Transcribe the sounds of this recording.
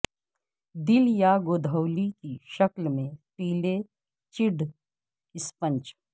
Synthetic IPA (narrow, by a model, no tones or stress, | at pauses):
d̪ɪljaɡoːd̪ʱəʊlikiʃɐklmẽpiːle | t͡ʃɪɖ | ɪspə̃nt͡ʃ